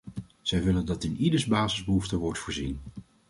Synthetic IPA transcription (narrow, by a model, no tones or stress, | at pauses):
z̥ɛjʋɪləndɑtɪnidəɹzbaːzɪzbəɦuftəʋɔɹtfʊːɹzin